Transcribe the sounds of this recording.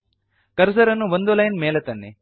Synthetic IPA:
kɐɾsɐɾɐnːuʋond̪ulɐjnmeːlet̪ɐnːi

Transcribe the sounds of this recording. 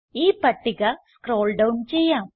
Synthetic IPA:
iːpɐʈːiɣɐskɾo̞ːlɖɐwnt͡ɕejːaːm

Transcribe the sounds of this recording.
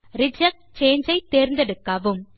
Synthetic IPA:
ɾɪd͡ʒɐk̚t͡ʃeːɲd͡ʒɐɪt̪ːeːɾnd̪ɐɽɯkːɐːʋɯm

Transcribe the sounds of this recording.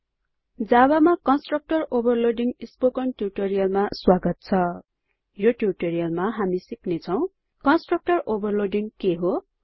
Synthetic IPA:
d͡zabamakʌnsʈrʌk̚ʈʌrobʌrloɖiŋispokʌnʈjuʈoɾijʌlmaswaɡʌt̪̚t͡sʰʌ | joʈjuʈoɾijʌlmaɦamisiknet͡sʰʌw̃ | kʌnsʈrʌk̚ʈʌrʔobʌrloɖiŋkeɦo

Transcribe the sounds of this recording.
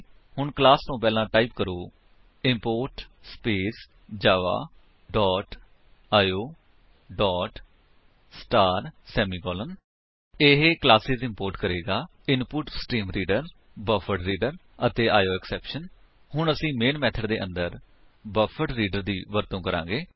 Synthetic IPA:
hʊɳklaːst̪õːpɛːlãːʈaːiːpkəɾoː | ɪmpoːɾʈspeːs | d͡ʒaːʋa̰ː | ɖɔːʈ | aːjoː | ɖɔːʈ | sʈaːɾsɛːmiːkɔːlən | eɦeklaːsɪzɪ̃mpoːɾʈkəɾeːɡaː | ɪnpʊʈsʈiːmɾiːɖəɾ | bəfʰəɖɾiːɖəɾ | ət̪eːʔaːjoːɛksɛːpʃən | ɦʊɳəsĩːmeːnmɛːt̪ʰəɖd̪eːʔə̃nd̪əɾ | bəfʰəɖɾiːɖəɾd̪iːʋəɾt̪õːkəɾã̰ːɡeː

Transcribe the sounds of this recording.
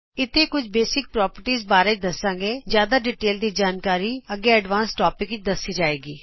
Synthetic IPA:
ɪt̪ʰeːkʊt͡ʃʰbeːsɪk̚pɾɔːpəɾʈiːzbaːɾẽt͡ʃd̪əsãːɡeːd͡ʒjaːd̪aːɖiːʈeːld̪iːd͡ʒaːnkaːɾiːəɡeːəɖʋãːnsʈɔːpɪkɪt͡ʃd̪əsːiːd͡ʒaːeːɡiː

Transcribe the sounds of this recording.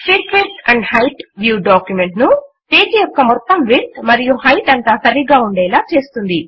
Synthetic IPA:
sʈiʈkɾesʈɐɳɖhɐjʈʋjuːɖaːkjumeɳʈnu | peːt͡ʃijɔkkːɐmɔt̪ːɐmʋiʈmɐɾijuhɐjʈɐnt̪aːsɐɾiɡaːuɳɖɛːlaːt͡ʃe̞ːst̪und̪i

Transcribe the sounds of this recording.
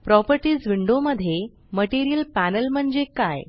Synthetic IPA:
pɾɔpəɾʈiːd͡zʋiɳɖoməd̪ʱːje | məʈiɾijəlpænəlm̤əɳd͡ʑekaj

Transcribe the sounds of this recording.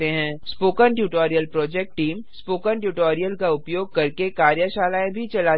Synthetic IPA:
eɦɛ̃ːspoːkənʈjuːʈoːɾijəlpɾɔːd͡ʒɛk̚ʈʈiːmspoːkənʈjuːʈoːɾijəlkaʊpjoːɡ̚kɐɾkekaːɾjəʃaːlaːẽbʱit͡ʃɐla

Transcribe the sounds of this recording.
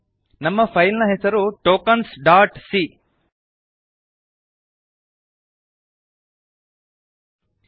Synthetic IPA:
nɐmːɐpʰɐjlnɐɦesɐɾuʈoːkɐnsɖaːɾʈsi

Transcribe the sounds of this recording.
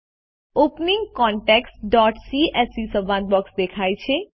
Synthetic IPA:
oːpnɪ̃ŋɡkɔːɳʈɛːksʈɖɔːʈsiːɛːsisəʋãːnd̪̚bɔːksd̪eːkʰaːit͡ʃʰeː

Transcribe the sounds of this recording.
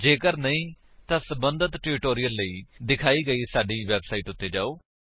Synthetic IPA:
d͡ʒeːkəɾnəĩː | t̪ãːsəbənd̪ət̪ʈeːɾɪʈoːɾijəlːəiːd̪ɪkʰaːiːɡəiːsaːɖiːʋɛːbsaːiːʈʊt̪ːeːd͡ʒa̰ːoː

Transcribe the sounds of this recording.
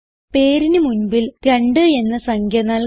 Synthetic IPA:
pe̞ːɾinɨmunbilkɐɳɖɨe̞nːɐsɐŋɡʱjɐnaːl

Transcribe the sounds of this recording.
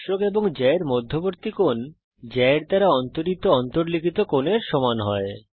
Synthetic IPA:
ʃokeboŋd͡ʑɛeɾmod̪ʱːoboɾt̪ikon | d͡ʑɛeɾd̪aɾaɔnt̪oɾit̪oɔnt̪oɾlikʰit̪okoneɾʃɔmanɦɔe

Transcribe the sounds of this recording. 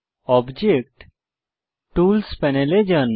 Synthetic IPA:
ɔbd͡ʑekʈ | ʈuːlspɛneled͡ʒən

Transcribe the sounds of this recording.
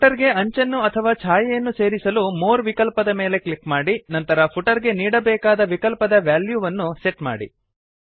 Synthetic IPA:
puʈɐɾɡe̞ɐɲt͡ʃɐnːuɐt̪ʰɐʋaːt͡ʃʰaːjɐjɐnːuse̞ːɾisɐlumoːɾʋikɐlpɐd̪ɐmeːle̞klikmaːɽinɐnt̪ɐɾɐpʰuʈɐɾɡe̞niːɽɐbɛːkaːd̪ɐʋikɐlpɐd̪ɐʋjaːljuːʋɐnːuse̞ʈma̰ːɽḭ

